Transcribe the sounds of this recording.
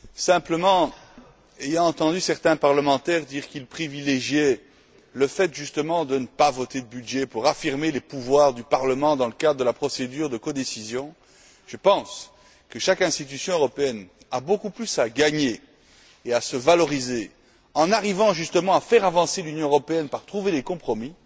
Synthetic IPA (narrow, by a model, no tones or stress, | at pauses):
sɛ̃pləmɑ̃ | ejɑ̃ɑ̃t̪ɑ̃d̪ysɛʁt̪ɛ̃paʁləmɑ̃t̪ɛʁd̪iːʁkilpχivileʒjɛ | ləfɛt̪ʒyst̪əmɑ̃d̪ənəpavɔt̪ed̪əbyd̪ʒɛpuʁafiʁmelepuvwaːʁd̪ypaʁləmɑ̃d̪ɑ̃ləkad̪ʁəd̪əlapχɔsed̪yːʁd̪əkɔd̪esizjɔ̃ | ʒ̥əpɑ̃s | kəʃakɛ̃st̪it̪̬ysjɔ̃øʁɔpeɛn | abokuplysaɡaɲeː | asəvalɔʁize | ɑ̃naʁivɑ̃ʒyst̪əmɑ̃afɛʁavɑ̃selynjɔ̃øʁɔpeɛnpaʁt̪χuved̪ekɔ̃pχɔmi